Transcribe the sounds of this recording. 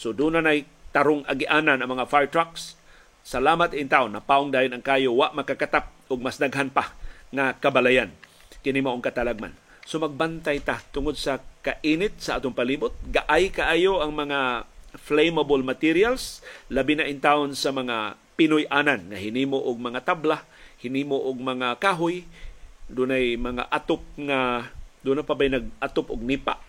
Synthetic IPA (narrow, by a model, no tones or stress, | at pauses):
sod̪uːnanaj | t̪aɾʊŋa̰ɡɪʔaːnanʔɐŋmɐŋafajt̪ɾaksː | alaːmat̪ɪnt̪aːʔʊnːapaʔoŋd̪aːjonaŋkaːjowaʔmakakat̪ap̚ʔʊɡ̚masd̪aɡɦanpaŋakabalajan | kɪnɪŋmaʔoŋkat̪alaɡ̚ma̰n | somaɡ̚bant̪ajt̪at̪ʊŋod̪̚sakaʔiːnɪt̪̚saʔaːt̪oŋpaliːbʊt̪̚ɡaʔajkaʔaːjoʔaŋmɐŋaflejmabolmat̪ɪɾialslabinaʔɪnt̪aonsamɐŋa | pɪnʊjʔananŋaɦɪniːmoʔʊɡ̚mɐŋat̪abla | hɪniːmoʔʊɡ̚mɐŋakaːɦʊj | d̪ʊnajmɐŋa̰ʔat̪ʊp̚ŋad̪unapabajnaɡ̚ʔat̪opʔʊɡ̚niːpa̰ʔ